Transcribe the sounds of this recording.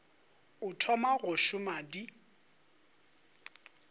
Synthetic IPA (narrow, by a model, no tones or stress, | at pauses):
ʊtʰɔmaɣʊʃʊmadi